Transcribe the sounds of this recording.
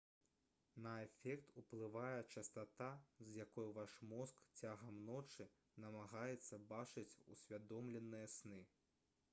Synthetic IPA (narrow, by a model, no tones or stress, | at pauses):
nɐɛfʲɛkt̪uplˠɨvajɛt͡ʂɐst̪at̪azjakɔjuvaʂmɔskt͡sʲaɣɐmnɔt͡ʂɨ | nɐmaɣajɛt̪sːɐbat͡ʂɨt͡sʲṵsʲvʲad̪ɔmlʲɛnːɨjɐsnɨ